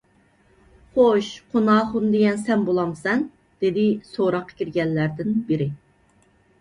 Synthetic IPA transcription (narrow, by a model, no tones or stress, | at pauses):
χoʃqʰonɑːχʊnd̪eɡʲɛnsɛnbolˠɑmsɛn | d̪̥ed̪ɪsoɾɑqʰːə̥kʲiɾɡʲɛnːæɾd̪ɪnbɪɾɪ